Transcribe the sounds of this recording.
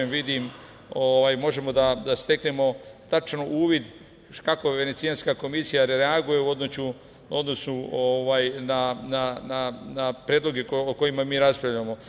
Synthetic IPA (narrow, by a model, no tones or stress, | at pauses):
emʋid̪im | oʋaːjmo̞ʒe̞mo̞d̪ad̪ast̪e̞knemo̞t̪at͡ʃnoʔuːʋid̪ | kako̞ʋe̞net̪ijanskako̞misijaɾɾeaɡuje̞uo̞d̪not͡ɕu | o̞d̪no̞snuoʋaːjnanananapɾeːd̪lo̞ɡe̞kooko̞imamiːɾaspɾaʋʎamo̞